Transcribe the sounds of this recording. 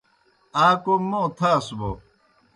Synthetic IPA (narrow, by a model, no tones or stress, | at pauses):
aːkomõt̪ʰasubo̰